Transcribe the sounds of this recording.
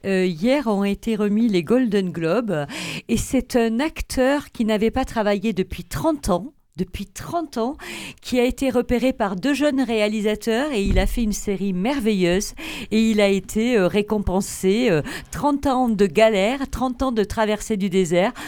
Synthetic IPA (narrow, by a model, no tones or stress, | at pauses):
øjɛʁɔ̃et̪eʁəmileɡɔld̪ɔnɡlɔbesɛt̪ʰɛ̃nakt̪ʰœʁkʲinavɛpat̪χavajed̪əpɥit̪χɑ̃t̪ʰɑ̃ | d̪əpɥit̪χɑ̃t̪ɑ̃kʲʰiaet̪eʁəpeʁepaʁd̪øʒœnʁealizat̪œʁeilafɛynseʁimɛʁvejøzeilaet̪ʰeøʁekɔ̃pɑ̃seøt̪χɑ̃t̪ɑ̃d̪əɡalɛʁt̪χɑ̃t̪ɑ̃d̪ət̪χavɛʁsed̪yd̪ezɛʁ